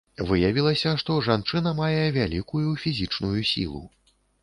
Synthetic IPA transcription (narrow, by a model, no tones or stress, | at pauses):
vɨjavʲilˠɐsʲɐʂt̪ɔʐant͡ʂɨnɐmajɛvʲalʲikujufʲizʲit͡ʂnujusʲḭlˠṵ